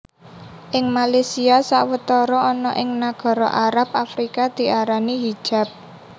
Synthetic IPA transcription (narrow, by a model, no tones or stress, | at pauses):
ʔɪŋmalesiasaʔwət̪ɔɾɔːnɔʔɪŋnaɡ̥ɔ̤ɾɔ̰ʔaɾap̚afɾikad̪̥i̤ʔaɾaniɦid̥ʒ̥a̤p̚